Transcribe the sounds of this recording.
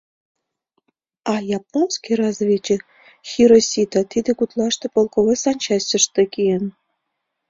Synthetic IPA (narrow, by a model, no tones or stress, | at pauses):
ɑjɑponskʲijrɑzvʲit͡ɕĕ | xʲiɾosʲit̪ɑt̪id̪ĕkut̪lˠɑʂt̪ɤ̆polˠkovɤsɑnʲt͡ɕɑsʲt͡ɕə̆ʂt̪ĕkʲijə̆n